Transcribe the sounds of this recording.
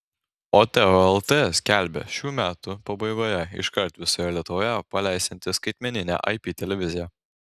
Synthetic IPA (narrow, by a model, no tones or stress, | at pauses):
oːt̪ʲɛoɛlˠt̪ʲesʲkʲæˑlʲˑbʲɛ̰ʃʲuːmʲæːt̪ʊpɐbɐɪɡoːjɛɪ̰ʃkɐɾt̪ʋʲɪsoːjɛlʲiɛt̪ʊʋoːjɛpɐlʲæˑɪsʲɛnʲt̪ʲɪskɐɪt̪ʲmʲɛnʲɪnʲæ̰ʔɐ̰ɪpʲiːt̪ʲɛlʲɛʋʲɪzʲɪjæ